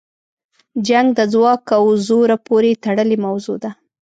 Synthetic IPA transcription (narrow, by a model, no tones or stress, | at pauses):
d͡ʒaŋɡ̚d̪əzwɑkawzoɾapoɾet̪aɽəlemawzod̪a